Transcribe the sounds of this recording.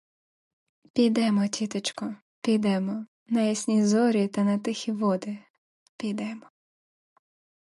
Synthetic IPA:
pʲijd̪ɛmɔtʲit̪ɪt͡ʃkɔ | pʲijd̪ɛmɔ | nɐjisʲnʲizɔɾʲit̪ɐnɐt̪ɪxʲiʋɔd̪ɪ | pʲijd̪ɛmɔ

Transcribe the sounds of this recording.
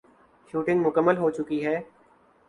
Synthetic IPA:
ʃuːʈɪ̃ŋɡmʊkəmːəlɦoːt͡ʃʊkiɦɛː

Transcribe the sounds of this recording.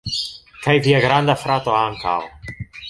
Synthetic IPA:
kajviaɡɾand̪afɾat̪oaŋkʰa̰l

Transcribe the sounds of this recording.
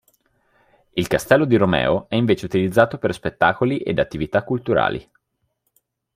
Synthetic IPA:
ilkast̪ɛlːod̪iɾomɛ̰ːoɛiɱveːt͡ʃeut̪ilid̪zːaːt̪operspet̪ːaːkoliʔḛd̪at̪ːivit̪akːult̪uɾa̰ːlḭ

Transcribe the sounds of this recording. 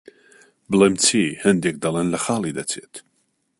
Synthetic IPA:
bəlˠemt͡sʰiːhɨnd̪ek̚d̪ɐlˠenlɐxaːlˠid̪ɐt͡sʰḛːt̪ʰ

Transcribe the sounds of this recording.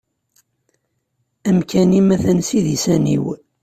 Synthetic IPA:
æmkʰænimæθənsiðisænḭw

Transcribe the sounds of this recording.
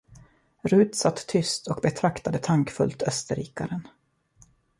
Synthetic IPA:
ɾʉ̟ːt̪sat̪ʰːʏst̪ʰɔkbɛt̪ʰɾakt̪ad̪ət̪ʰaŋkfɵ̰lt̪œst̪əɾiːkaɾən

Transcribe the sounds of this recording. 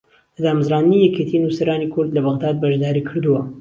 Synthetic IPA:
lɐd̪aːmɨzɾaːnd̪ɨnijɛkʰet̪ʰinusɐɾaːnikʰʊɾd̪lɐbɐɣd̪aːd̪̚bɐʒd̪aːɾiːkʰɨɾd̪uwɐ

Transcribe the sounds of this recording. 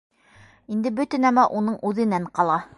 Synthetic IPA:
ind̪ɘbɵ̆t̪ɘ̆næmæʔunɤɴʉðɘ̆næɴqɑlˠɑ

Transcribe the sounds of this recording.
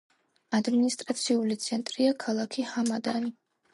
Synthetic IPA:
ad̪minist̪ʼɾat̪sʰiulit̪sʰɛnt̪ʼɾiakʰalˠakʰihamad̪ani

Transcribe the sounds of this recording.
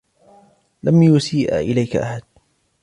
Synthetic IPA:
lamjʊsiːʔa̰ʔɪlajkaʔa̰ħad̪̚

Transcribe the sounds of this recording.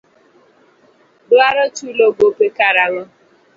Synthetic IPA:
bʊaɾɔtulobopekaɾaŋʊ

